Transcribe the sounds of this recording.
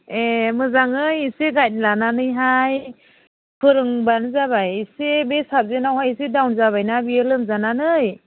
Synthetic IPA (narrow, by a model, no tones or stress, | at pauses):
emɯzaŋɯjiseɡajt̚lananɯjɦaj | pʰɯɾɯŋbanzabajsebesap̚zenawɦajisedawnzaβajnabielɯmzananɯj